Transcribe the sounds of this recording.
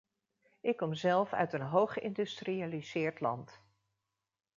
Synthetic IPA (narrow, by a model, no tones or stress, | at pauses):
ʔɪkːɔmzɛlˠfœ̰ɥtənɦowχəɪndystrializɪːɹtlɑ̰nt